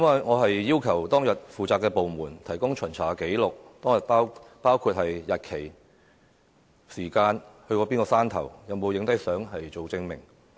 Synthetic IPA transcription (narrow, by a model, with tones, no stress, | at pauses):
ɐ˥mɐ˨jŋɔː˨˧ɦɐ˨jːiː˥wkʰɐ˨˩wt̪ɔː˥ŋjɐ˨t̚fuː˨t͡saː˨˧kːɛː˧po˨˧wmuː˨˩nt̪ʰɐ˨˩jkʊ˥ŋt͡ʃʰɵ˨˩nt͡sʰaː˨˩ke˨˥jlʊ˨k̚t̪ɔː˥ŋjɐ˨t̚paː˥wpaː˥wkʰuː˧t̚hɐ˨jːɐ˨t̚kʰe˨˩j | siː˨˩kaː˧nhɵ˧ɥkɔː˧piː˥nkɔː˧saː˥nt̪ʰɐ˨˩wjɐ˨˧wmo˨˧wjɪ˧˥ŋt̪ɐ˥jsœː˨˥ŋɦɐ˨jt͡so˨wt͡sɪ˧ŋmɪ̰˨˩ŋ